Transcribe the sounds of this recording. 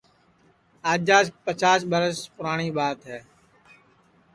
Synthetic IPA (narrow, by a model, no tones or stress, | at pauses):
aːd͡ʒaːspət͡ʃaːsɓəɾəspʊɾaːɳiːɓaːt̪ɦɛː